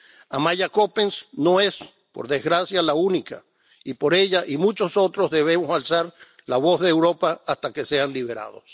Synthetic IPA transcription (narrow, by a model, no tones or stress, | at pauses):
amaʎakopensno̞e̞s | po̰ɾðezɣɾasjalaunika | ipo̞ɾe̞ʎaʔimũt͡ʃo̞so̞t̪ɾozðe̞β̞e̞mosalsaɾ | laβozðeːwɾo̞paast̪akese̞anliβeɾa̰ð̞o̰s